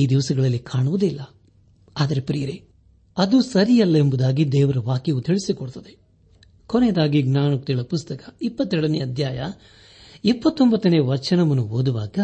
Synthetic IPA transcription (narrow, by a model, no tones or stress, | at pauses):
iːd̪iʋɐsɐɡɐɭɐlːikʰaːɳuʋud̪ilːɐ | aːd̪ɐɾe̞pɾijɐɾe | ɐd̪usɐɾijɐlːɐembud̪aːɡid̪ɛːʋɐɾɐʋaːkjɐʋut̪ʰiɭisikɔɽt̪ɐd̪e | koneːd̪aːɡiɡnaːnuk̚t̪iɭɐpust̪ɐkɐ̥ipːɐt̪ːɛɽɐneɐd̪ʱjaːjɐ | ipːɐt̪ːombɐt̪ːɐneːʋɐɾt͡ʃɐnɐmɐnːuɦoːd̪uʋaːɡɐ